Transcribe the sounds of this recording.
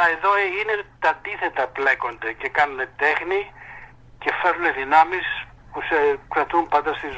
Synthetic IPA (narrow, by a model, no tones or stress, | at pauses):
ɐeðoine̞t̪ɐd̪iθe̞t̪ɐple̞ko̞nd̪ece̞kɐnune̞t̪e̞xni | ce̞fe̞ɾuneðinɐmis | pusekɾɐt̪umpɐnd̪ɐst̪iz